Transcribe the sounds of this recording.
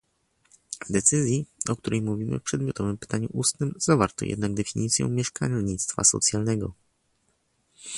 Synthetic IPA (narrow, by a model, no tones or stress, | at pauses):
vd̪ɛt̪sɘzʲjiɔkt̪uɾʔɛjmuvʲimɘ̰fpʂɛd̪mʲjɔt̪ɔvɘmpɘ̥t̪aɲuʔust̪nɘmz̥avaɾt̪ɔ̰jɛ̰d̪naɡ̚d̪ɛfʲiɲit̪sʲjɔ̰̃w̃mʲjɛʂkaɲit̪st̪fa̰sɔ̰t̪sʲjalnɛɡɔ